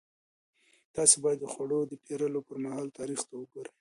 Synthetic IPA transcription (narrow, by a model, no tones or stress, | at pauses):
t̪ɑsebɑjad̪ːəxwaɽod̪əpʰeɾəlopəɾmahɑlt̪ɑɾixt̪awəɡoɾaj